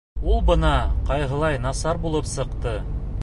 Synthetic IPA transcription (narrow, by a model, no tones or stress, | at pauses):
ulˠbɤ̆nɑqɑjɦɤ̆lˠɑjnɑsɑɾbulˠɤpsɤ̆qt̪ɤ